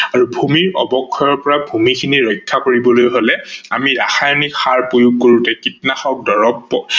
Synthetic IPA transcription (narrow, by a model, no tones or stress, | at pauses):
aɹubʱumiɹɔ̰bɔkʰːɔjɔɹpɔɹabʱumikʰiniɹɔjkʰːakoɹibɔlojɦolɛamiɹaxajnikxaɹpojuɡkoɹutɛkitnaxɔk̚dɔɹɔbɔ